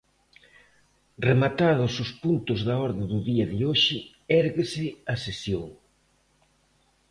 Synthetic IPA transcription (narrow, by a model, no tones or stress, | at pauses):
remat̪aðʊsʊspunt̪ʊzðɐɔɾðeðʊðiɐðɪoʃɪ | ɛɾɣɪsɪɐsesjoŋ